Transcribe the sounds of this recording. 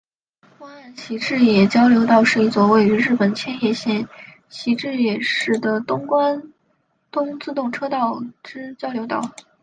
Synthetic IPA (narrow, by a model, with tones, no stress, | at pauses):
kʊ˥ŋa˥˩nɕi˧˥ʈ͡ʂɻ̩˥˩jɛ˨˩t͡ɕjɑ˥ʊljo˧˥ʊt̪ɑ˥˧ʊʂɻ̩˥˧i˥˩t͡swɔ˥˧we˥˩ɪy˧˥ɻɻ̩˥˩pə˨˩nt͡ɕʰjɛ˥njɛ˥˧ɕjɛ˥˩n | ɕi˧˥ʈ͡ʂɻ̩˥˩jɛ˨˩ʂɻ̩˥˩d̪ə˩t̪ʊ˥ŋkwa˥n | t̪ʊ˥ŋt͡sɹ̩˥˧t̪ʊ˥˩ŋʈ͡ʂʰɤ˥t̪ɑ˥˩ʊʈ͡ʂɻ̩˥t͡ɕjɑ˥ʊljo˧˥ʊt̪ɑ̰˥˩ʊ